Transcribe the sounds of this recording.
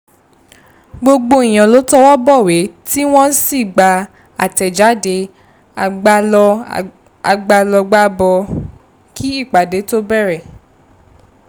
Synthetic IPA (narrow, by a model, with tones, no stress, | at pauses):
ɡ͡bo˧ɡ͡bo˧i˨j̃ã˨lo˨˦tɔ˦wɔ˦bɔ˦˨we˨˦ti˦w̃ɔ̃˦n̩˦si˦˨ɡ͡ba˧ | a˨tɛ˨d͡ʒa˨˦de˨˦ | ɡ͡b | a˧ɡ͡ba˧lɔ˧ɡ͡ba˦bɔ˧ | kʰi˦i˦˨k͡pa˨de˨˦to˦bɛ˦˨ɾɛ˨